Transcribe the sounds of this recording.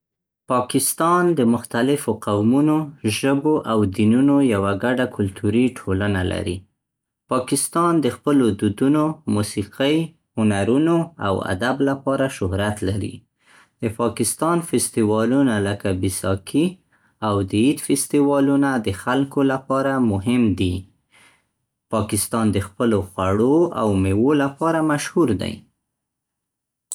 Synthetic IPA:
pɑkɪst̪ɑnd̪əmʊxt̪alɪfoqawmunoʒəboʔawd̪inunojawaɡaɖakʰʊlt̪ʰuɾiʈʰolanalʔa̰ɾḭ | pɑkɪst̪ɑnd̪əxpəlod̪ud̪unomusiqəj | hʊnaɾunoa̰wa̰d̪ablapɑɾaʃʊhɾat̪laɾḭ | d̪̥əpɑkɪst̪ɑnfɪst̪iwɑlunaləkabisɑkʰi | awd̪əid̪fɪst̪iwɑlunad̪əxalkolapɑɾamʊɦɪmd̪i | pɑkɪst̪ɑnd̪əxpəloxwaɽoa̰wmewolapɑɾamaʃhuɾd̪a̰j

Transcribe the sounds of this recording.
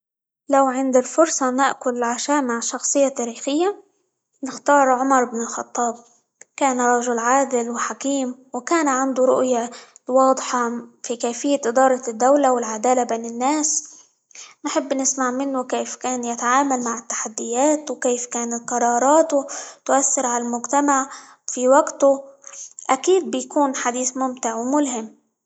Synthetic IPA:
lawʕɪnd̪ɪlfʊɾsˤɑnaʔkʊlɪlʕaʃaːʔmaʕʃɑxsˤɨjːat̪aːɾiːxɪjːa | nɪxt̪ɑːɾˤʕʊmɑɾˤɪbnɪlxɑ̰t̪ˤːɑːb̚ | kaːnrˤːɑʒʊlʕaːd̪ɪlwɪħakiːmwɪkaːnʕand̪ʊɾˤʊ̰ʔjawɑːd̪ˤħɑfikaːfɪjːaʔɪd̪ɑːɾˤɑd̪ːawlawɪlʕad̪aːlabeːnɪnːaːs | nħɪbːnɪsmaʕmɪnːʊkeːfkaːnjɪt̪aʕaːmalmaʕɪt̪ːḁħad̪ːɪjaːt̪wkeːfkaːnat̪qɑɾˤɑːɾˤɑːt̪ʊt̪ʊʔaθːɪɾʕalalmʊɡt̪amaʕ | fiwaɡt̪ʊ | ʔakiːd̪̚bɪjkuːnħad̪iːθmʊmt̪ɪʕwmʊlɦɪm

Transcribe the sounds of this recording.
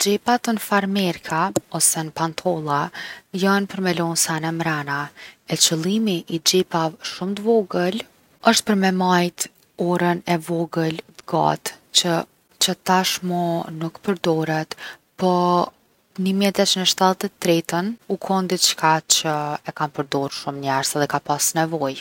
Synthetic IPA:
d͡ʒɛpat̪ənfaɾmɛɾkʰaɔsɛnpant̪ʰɔlˠajanpəɾmɛlɔnsanɛmɾanaɛt͡ʃəlˠimiʔːd͡ʒɛpavʃumt̪əvɔɡəl | əʃt̪̚pəɾmɛmajt̪ | ɔɾənɛvɔɡəld̪ɡa̰t̪t͡ɕə | t͡ʃət̪aʃmɔnukpəɾd̪ɔɾɛt̪pɔ | nimjɛt̪ɛt͡ʃənəʃt̪alt̪ɛt̪ːɾɛt̪ənukʰɔnd̪it͡ʃkat͡ʃəɛkanpəɾd̪ɔɾʃumɲaɾsɛðɛkapasnɛvɔj

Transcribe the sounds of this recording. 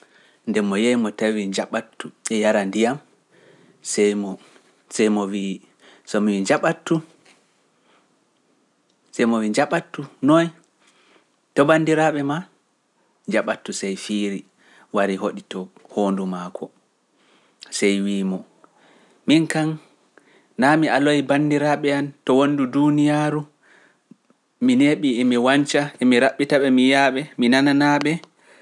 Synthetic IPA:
ndɛmɔjejmɔtawid͡ʒaɓatːuɛjaɾandijam | sɛjmɔ | sɛjmɔwi | sɔmiwiɲd͡ʒaɓatːu | sɛjmɔwiɲd͡ʒaɓatːunɔj | tɔbandiɾaɓɛma | ɲd͡ʒaɓatːusɛjfiɾi | waɾiɦoɗitɔhondumakʰɔ | sɛjwiːmɔ | minkan | namialojbandiɾaɓɛantɔwonːdudunijaɾu | mineɓiɛmiwant͡ʃaɛmiɾaɓːitaɓɛmijaɓɛminananaɓɛ

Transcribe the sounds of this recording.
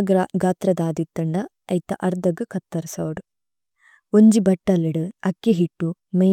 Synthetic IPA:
ɡɾɐɡaːt̪ɾɐd̪aːd̪it̪ːɐɳɖɐ | ɐjt̪ɐʔɐɾd̪ɐɡɨkɐt̪ːɐɾsaːɽu | oɲd͡ʒibɐʈːɐlːɐɽɨɐkːeɦiʈːu | mɐ

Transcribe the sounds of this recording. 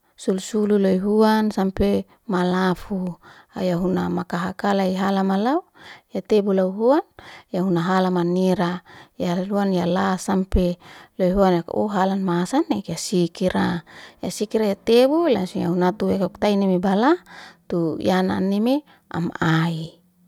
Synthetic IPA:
sulusululoiɦuansampe | malafua̰jaɦunamakaɦakalaiɦalamalaujat̪ebulauɦuanjaɦunaɦalamaneɾajaluanjalasampeloiɦuanjako̰ɦalanmasanekasikiɾʔajasikiɾajat̪ebulasuja̰ɦunat̪uwekauk̚t̪ainemebalat̪ujana̰nːeme | a̰mai

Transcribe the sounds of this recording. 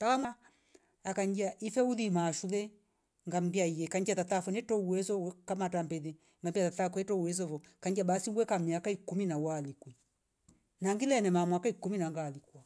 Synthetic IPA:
takamwa | akaɲd͡ʒiaʔifɛuðimaʃulɛ | ŋɡam̩biaijɛkaɲd͡ʒatatafɔnɛtɔuwɛzɔɛkamatambɛðɛ | ŋɡambiatatakɛtɔuwɛz̬ɔvɔkaɲd͡ʒabasiŋɡwɛkamiakaikuminawalikwɛ | naŋɡilɛnɛmamwakaikuminaŋɡalikwa

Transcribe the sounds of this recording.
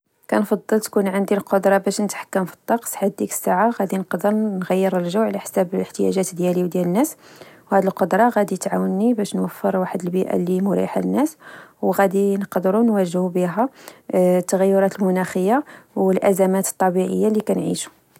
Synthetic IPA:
kænfɑd̪ˤːəlt̪kunʕənd̪ilqod̪ɾˤɑbæʃnət̪ħḁkːəmfi̥t̪ˤːɑqsħad̪ːikə̥sːaʕaɣæd̪inəqd̪əɾnɣæjːəɾəlʒəwʕlæħsæbələħt̪əjæ̰ʒæt̪d̪jæliwd̪jælənːæswhæd̪ilqod̪ɾˤɑɣæd̪it̪ʕawənːibæʃnwəfːəɾwaħəd̪əlbiʔæ̰limʊɾḭħalənːæswɣæd̪inəqd̪əɾunwæʒhubiɦæ | t̪ːəɣæjːʊɾˤɑt̪əlmʊnæxəjːawəlʔæzæmæt̪ə̥t̪ˤːɑbiʕəjːalikænʕḭʃu̥

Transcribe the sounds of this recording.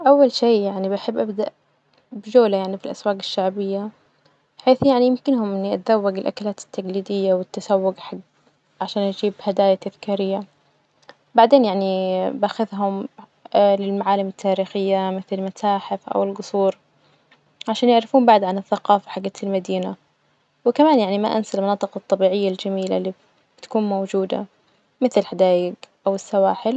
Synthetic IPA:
ʔawːalʃiːjaʕnibaħɪbːʔabd̪aʔ | bɪd͡ʒoːlajaʕnifilʔa̰swaːqɪʃːaʕbɪjːa | ħeːθjaʕnijɪmkɪnhʊmʔɪnːiʔa̰t̪zawːaɡɪlʔa̰kalaːt̪ɪ̥t̪ːaɡliːd̪ɪjːawɪt̪ːasawːʊɡħaɡ | ʕaʃaːnʔad͡ʒiːbhad̪aːjat̪aðkaːɾɪjːa | baʕd̪eːnjaʕnibaxaðɦʊm | lɪlmaʕaːlɪmɪt̪ʰːaːɾiːxɪjːamɪθɪlmat̪aːħɪfʔa̰wɪlɡʊsˤuːɾ | ʕaʃaːnjɪʕɾɪfuːmbaʕd̪ʕanɪθːaqɑːfḁħaɡːat̪ɪlmad̪iːna | wɪkamaːnjaʕnima̰ʔa̰nsalmɑnɑːt̪ˤɨqɑt̪ˤːɑbiːʕɪjːald͡ʒamiːlalːi | bɪt̪ḁkuːnmowd͡ʒuːd̪a̰ | mɪθlhad̪aːjɪɡʔawɪsːawaːħɪl

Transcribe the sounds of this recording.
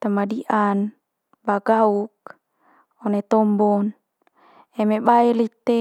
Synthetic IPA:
t̪amadiʔan | baɡauk̚ | ɔnet̪ɔmbɔn | emebaɛlit̪e

